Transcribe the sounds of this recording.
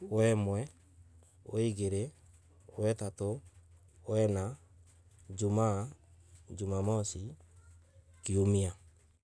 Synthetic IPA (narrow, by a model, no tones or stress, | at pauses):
wɛmwɛ | oiɣeɾe | wɛtato | wɛna | d͡ʒuma | d͡ʒumamɔsi | kiomia